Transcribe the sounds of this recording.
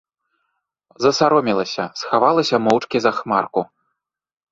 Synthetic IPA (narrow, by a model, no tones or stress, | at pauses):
zɐsaɾɔmʲilˠɐsʲɐsxavalˠɐsʲɐmɔwt͡ʂkʲizɐxmarku